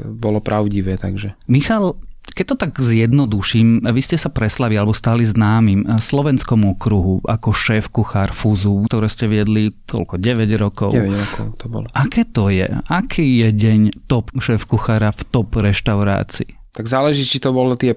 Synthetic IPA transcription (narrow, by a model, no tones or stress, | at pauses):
bɔlɔpɾaʊɟiʋɛːt̪aɡʒɛmixalkɛc̚t̪ɔt̪aɡzjɛd̪nɔd̪uʃiːmaʋiscɛsapɾɛslaʋialɛbɔst̪aliznaːmimslɔʋɛnskɔmɔkɾuɦuʔa̰kɔʃɛːfkuxaːɾfuzuːkt̪ɔɾɛːscɛʋɪɛd̪likɔ̰lkɔɟɛʋɛɟɾɔkɔ̰ʊɛʋɛɾɔkɔʊt̪ɔbɔ̰lɔʔakɛːt̪ɔjɛ̰akʰiːjɛɟɛɲt̪ɔpʃɛːfkuxaːɾaft̪ɔpɾɛʃt̪aʊɾa̰ːt͡sḭː | t̪aɡzaːlɛʒiːt͡ʃit̪ɔbɔlɔt̪ɪɛ